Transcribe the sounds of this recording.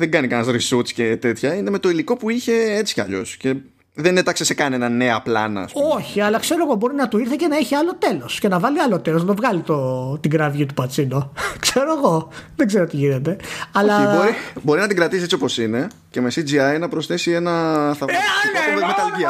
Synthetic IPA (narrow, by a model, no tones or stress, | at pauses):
ðeŋɡɐnikɐnɐzɾisut͡scet̪e̞t̪çɐineme̞t̪o̞iliko̞puiçe̞et͡si̥cɐ̰ʎo̞̰sce̞ | ðenet̪ɐksesekɐne̞nɐne̞ɐplɐ̰nɐ̰ːspumoçiɐlɐkse̞ɾo̞eɣo̞bo̞ɾinɐt̪oiɾθɐcenɐeçiɐlot̪e̞lo̞sce̞nɐvɐliɐlot̪elosnɐt̪ovɣɐlit̪ot̪iɡɾɐvʝit̪u̥pɐt͡sinokse̞ɾo̞eɣo̞ðeɡze̞ɾot̪iʝine̞t̪e̞ɐlɐboɾibo̞ɾinɐt̪iɡɾɐt̪iset͡siopo̞sine̞ | cemesid͡ziɐjnɐpɾosθe̞sie̞nɐθɐsikɐovemet̪ɐlʝiɐ